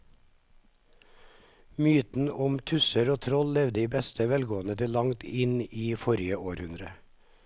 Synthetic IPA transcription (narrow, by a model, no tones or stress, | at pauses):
myːt̪n̩ʊmt̪ʰʉsəɾoːt̪ʰɾɔllɛʋd̪əiːbɛst̪ʰəʋɛlɡoːənət̪ʰɪlɑŋt̪ɪniːfɔɾɪəoːɾhʉnd̪ɾə